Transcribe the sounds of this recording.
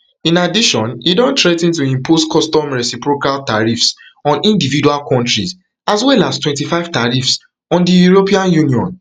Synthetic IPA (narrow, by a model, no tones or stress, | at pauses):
ĩnadiʃɔ̃nidɔ̃ntɹɛtĩntuĩmpʰoskʰɔstɔ̃mɹɛsipɹokaltaɹifsɔ̃nĩndividualkɔ̃ntɹis | aswɛlastwɛ̃ntifaɪv̥taɹifs | ɔ̃ndijuɹopiãnjuniɔ̰̃n